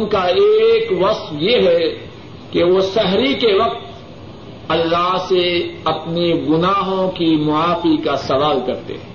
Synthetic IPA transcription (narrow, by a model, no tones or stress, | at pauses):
nkaeːkʋɐsfjeɦɛ | keʋosɛɦɾikeʋɐq̚t̪ | ɐlːaːɦseɐpniɡʊnaːɦõkimʊaːfikasɐʋaːlkɐɾt̪ḛ̃